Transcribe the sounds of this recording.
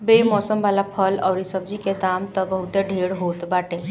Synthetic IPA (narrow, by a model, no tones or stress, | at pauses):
bemɔsəmbalapʰəlɔːɾisəb̚d͡ʒiked̪amt̪əbəɦut̪eɖʱeɽɦot̪baʈe